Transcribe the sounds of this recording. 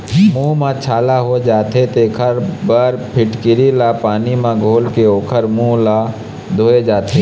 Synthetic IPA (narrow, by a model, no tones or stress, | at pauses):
mũːmãt͡ʃʰaːlaɦod͡ʒaːt̪ʰet̪eːkʰəɾbəɾpʰɪʈkɪɾilapaːnimãɡʱoːlkeoːkʰəɾmũla | d̪ʱoːed͡ʒaːt̪ʰe